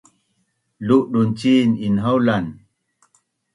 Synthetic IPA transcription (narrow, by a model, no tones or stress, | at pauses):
luʔɗunt͡ʃininɦawlan